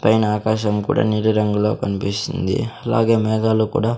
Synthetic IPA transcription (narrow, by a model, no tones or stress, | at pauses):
pɐjnaːkaːʃɐmkṵːɽa̰ːniɾuɾɐŋɡulo̞̰ːkɐnipist̪und̪ḭɐla̰ːɡe̞ːmɛːɡaːlukṵːɽaː